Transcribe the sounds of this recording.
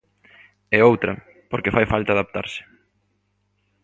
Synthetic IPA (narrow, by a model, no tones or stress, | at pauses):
ɛowt̪ɾɐ | poɾkefajfalt̪aːðap̚t̪aɾsɪ̥